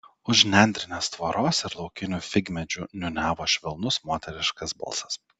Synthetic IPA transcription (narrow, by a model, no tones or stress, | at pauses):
ʊʒnʲɛˑnʲd̪ʲɾʲɪnʲeːst̪ʋoɾoːsɪɾlˠɒʊkʲɪnʲuːfʲɪɡʲmʲɛd͡ʒʲuːnʲʊnʲæːʋoːʃʲʋʲɪlˠnʊsmoːt̪ʲɛɾʲɪʃkɐsbɐ̰lˠsɐ̥s